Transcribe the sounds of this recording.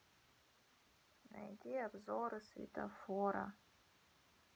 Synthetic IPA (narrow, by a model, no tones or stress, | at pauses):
na̰jdʲiabzoɾɨsvḭtʰafoɾa̰